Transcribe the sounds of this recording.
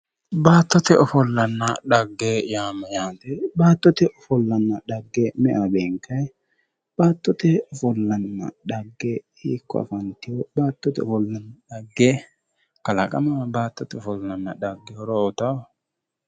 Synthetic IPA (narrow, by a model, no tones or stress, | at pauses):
baːt̪ːɔt̪ɛɔfɔlːɐnːɐɗɐɡːejaːmɐjaːt̪ɛbaːt̪ːɔt̪ɛʔɔfɔlːɐnːɐɗɐɡːɛmɛʔɐbeːŋkɐj | b̥aːt̪ːɔt̪ɛɔfɔlːɐnːɐ̰ɗɐɡːɛ | iːkːɔ̰ɐ̰fɐnt̪ːɪjɔbaːt̪ːɔt̪ɛɔfɔlːɐnːɐɗɐɡːe | kɐlɐkʼɐmɐbaːt̪ːɔt̪ɛɔfɔlːɐnːɐᶑɐɡːɛhɔɾɔɔt̪ɐw